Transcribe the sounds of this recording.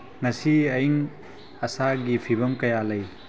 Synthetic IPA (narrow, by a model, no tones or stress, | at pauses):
ŋɐsiɐjŋ | ɐsaɡipʰibɐmkɐjalɐj